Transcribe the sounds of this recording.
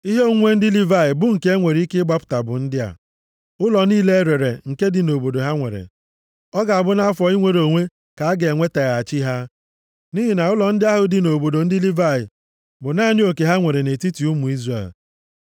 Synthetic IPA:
i˦ɦe˦o˦ŋʷe˦n̩˦dɪ˦li˦va˦˨ɪ˨bʊ˦ŋ̩˨ke˦e˦ŋʷe˨ɾi˦kɪ˦ɡ͡ba˦pʊ̥˨ta˨bʊ̰˨n̩˦dɪ˦a̰˨ | ʊ˦lɔ˨niː˦le˦ɾe˨ɾe˨ŋ̩˨ke˦dɪ˨no˨bo˨do˨ɦa˦ŋʷḛ˨ɾḛ˨ | ɔ˦ɡa˨a˨bʊ˦na˦a˦fɔ˨i˦ŋʷe˨ɾo˨ŋʷe˦ | ka˨a˦ɡe˨ŋʷe˦ta˨ɣa˨a˨t͡ʃi˦ɦa˦ | ni˦ɦi˨na˨ʊ˦lɔ˨n̩˦dɪ˦a˦ɦʊ˨dɪ˨no˨bo˨do˨n̩˦dɪ˦li˦va˦˨ɪ̰˨ | bʊ˨na˦nɪ˦o˨ke˨ɦa˦ŋʷe˨ɾe˨ne˨ti˦ti˨u˦mu˨i˦zre˦˨l

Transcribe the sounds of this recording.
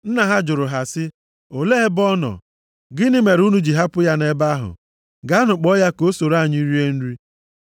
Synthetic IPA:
n̩˦na˨ɦa˦d͡ʒʊ˨ɾʊ˨ɦa˨sɪ˦ | o˨le˦ɦe˦bɔ˦nɔ̰˨ | ɡɪ˦nɪ˦me˨ɾu˦nu˦d͡ʒi˨ɦa˦pʊ˦ja˦ne˦ba˦ɦʊ̰˨ | ɡa˨˦a˦nʊ˨k͡pɔ˦ja˦ko˦so˨ɾa˦˨ɲi˦ɾi˦e˦n̩˦ɾi˦

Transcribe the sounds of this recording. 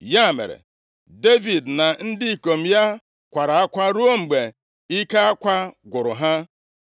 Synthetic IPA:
ja˦˨mḛ˨ɾḛ˨ | de˦vi˨dna˨n̩˦dɪ˦i˨ko˨m̩˨ja˦ | kʷa˨ɾa˨a˦kʷa˦ɾu˦o˦ŋ͡m̩˨ɡ͡be˨ | i˦ka˦a˦kʷa˦ɡʷʊ˨ɾʊ̰˨ɦa˦

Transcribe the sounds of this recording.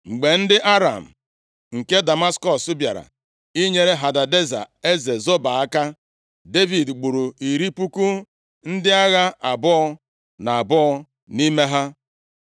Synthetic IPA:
ŋ͡m̩˨ɡ͡be˨n̩˦dɪ˦ʔa˦ɾa̰˨m̩˨ | ŋ̩˨ke˦da˨ma˦skɔ˦˨sʊ˦bja̰˨ɾa̰˨ | i˦ɲe˨ɾe˦ɦa˨da˨de˦za̰˨e˦ze˨zo˦ba˨a˦ka˦ | de˦vi˨dɡ͡bu˨ɾu˨i˨ɾi˦pu˦ku˦ | n̩˦dɪ˦a˦ɣa˦ʔa˨bɔ˦ɔ˦ | na˨a˨bɔ˦ɔ˦ | ni˦me˦ɦa˦

